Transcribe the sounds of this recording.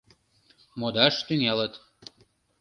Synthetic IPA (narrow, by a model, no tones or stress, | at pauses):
mod̪ɑʃt̪ynʲelət̪